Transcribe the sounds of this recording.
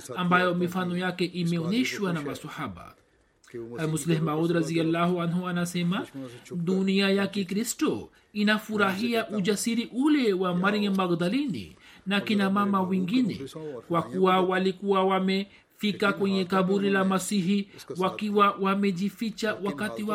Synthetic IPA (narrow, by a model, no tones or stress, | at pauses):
ambajɔmifanɔjakɛʔimɛɔnɛʃwanamasahaɓa̰ | almuslɛhmaud̪ɾazialːahuanhuanasɛmaɗuniajakɛkɾistɔ | inafuɾaɦiaʔud͡ʒasiɾiʔulɛwamaɾiŋmaɣd̪alinḭnakinamamawiŋɡinɛ̰kwakuwawalikuwawamɛ | fikakwɛɲɛkaɓuɾilamasiɦiwakiwawamɛʄifit͡ʃawakatiwa